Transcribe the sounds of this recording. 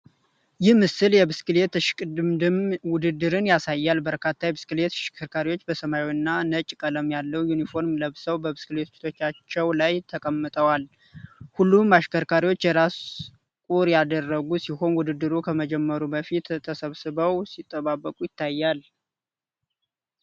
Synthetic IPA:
jɪhmɨsɨljɛbɨskɨlet̪ʃmmwʊd̪ɨd̪ːɨɾɨnjasajːalbəɾkʰat̪ʰːajɛbɨskɨle̞t̪ʃkʰəɾkʰaɾiwo̞t͡ʃːbəsəmajwnːanət͡ʃʼkʼələmjalːəwjunifo̞ɾmləβsəwbəβɨskɨle̞t̪t͡ʃt̪ʰo̞t͡ʃːat͡ʃːɛwlajt̪ʰəkʼəmːɨt̪ʼəwal | hulːumbaʃkʰəɾkʰaɾiwo̞t͡ʃːjɛɾas | kʼuɾjad̪ərːəɡusiho̞nwʊd̪ɨd̪ːɨɾukʰəməd͡ʒɛmːəɾubəfit̪ʰːəsəβsɨβəwsit̪ʼːəβabːəkʼujɪt̪ʰːajːal

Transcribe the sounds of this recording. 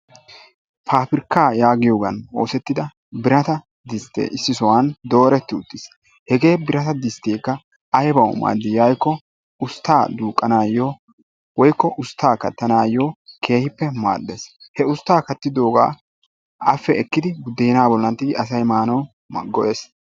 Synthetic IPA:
pʰaːpɪɾkːaːjaːɡɪjoːɡɐno̞ːsɛt̪ːɪd̪ɐ | bɪɾɐt̪ɐ | d̪ɪst̪ḛːɪsːɪsɔwand̪o̞ːɾɛt̪ːɪʊt̪ːɪs | hɛɡe̞ːbɪɾɐt̪ɐd̪ɪst̪ːeːkːɐ | ʔɐjbɐwma̰ːd̪ːɪjɐjkːɔ | ʊst̪ːaːd̪uːkʼːɐnaːjoː | wɔjkːɔʔʊst̪ːaːkɐt̪ːɐnaːjːoːkʰe̞ːhɪpːɛma̰ːd̪ːeshɛʊst̪ːaːkɐt̪ːɪd̪o̞ːɡa̰ː | ʔɐfːɛɛkːɪd̪ɪbʊd̪ːeːnaːbɔlːɐnt̪ːɪɡɪʔɐsɐjmaːnɐw | mɡɔʔeːs

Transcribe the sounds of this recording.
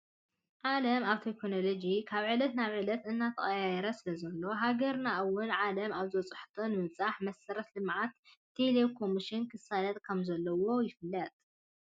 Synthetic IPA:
ʕalɐmaβt̪ʰekʰːonolod͡ʒikʰaβʕɨlɐt̪naβʕɨlɐt̪ɨnːat̪ʰɐχʼɐjajɛɾɐsɨlɐzɐlːo̞ɦaɡɐɾnaʔwʊnʕalɐmaβzwɔt͡sʼɨħt̪ʰonɨmɨt͡sʼaħmɐsɐɾɐt̪lɨmʕat̪ːʰ | elekʰo̞miʃɪnkʰɨsalɐt̪ʼkʰɐmzɐlːɐwo̞jɪfɨlːɐt̪ʼ

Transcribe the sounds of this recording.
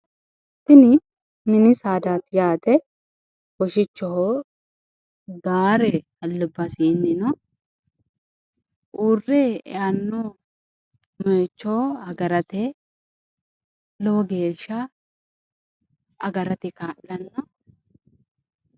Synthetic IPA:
t̪ːɪnɪ | mɪnɪsaːd̪aːt̪jaːt̪ɛ | wɔʃɪt͡ʃːɔhɔ | baːɾɛhɐlːʊbːɐsinːɪnɔ | ʔuːrːɛ̰anːɔ | mɔɛt͡ʃːɔhɐɡɐɾɐt̪ɛ | lɔwɔɡe̞ːʃːɐ | ɐɡɐɾɐt̪ɪkaːʔlɐnːɔ

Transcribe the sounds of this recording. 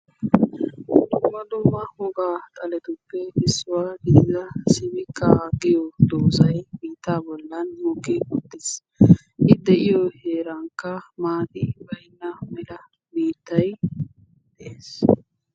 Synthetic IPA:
d̪ʊmɐd̪uːmːɐhɔɡaːt̪ʼɐlɛt̪ʊpːɛɪsːʊwaːɡɪdɪzɐsɪbɪkʰːɐɡɪjɔd̪oːsɐjbiːt̪ːaːbɔlːɐnmɔkːɪʊt̪ːɪs | ʔɪd̪ɛʔɪjɔheːɾɐŋkːɐmaːd̪ɪbɐjnːɐmɛlɐ | biːt̪ːɐj | d̪eːs

